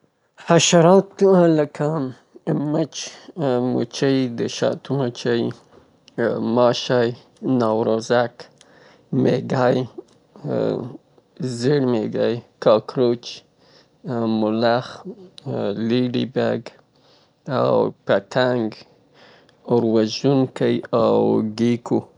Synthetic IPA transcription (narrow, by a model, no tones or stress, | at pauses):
haʃaɾɑt̪uãləkʰa | mət͡ʃmṵt͡ʃəjd̪əʃɑ̰t̪umot͡ʃəj | mɑʃaj | nɑwɾozak | meɡaj | zəɽmeɡajkɑkɾot͡ʃ | mʊlax | liɖḭbaɡ | a̰wpat̪ʰaŋɡ | ʊɾwazunkəjawɡikʰu